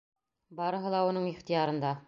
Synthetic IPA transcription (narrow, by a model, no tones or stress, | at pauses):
bɑɾɤ̆ɦɤ̆lˠɑunɤɴiχt̪ijɑɾɤ̆nd̪ɑ